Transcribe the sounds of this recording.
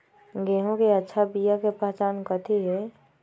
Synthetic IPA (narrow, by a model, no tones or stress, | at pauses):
ɡeːɦõkeətːʃʰabijakepaːt͡ʃaːnkət̪ʰeɦɛ